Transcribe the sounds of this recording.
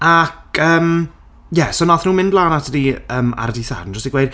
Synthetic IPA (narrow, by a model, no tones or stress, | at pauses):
akʰəːm | jɛsonɔθnuːmɪ̃ndlˠaːnatʰədiəːma̰ɾdiθa̰dnd͡ʒɔstiɡwejd̥̚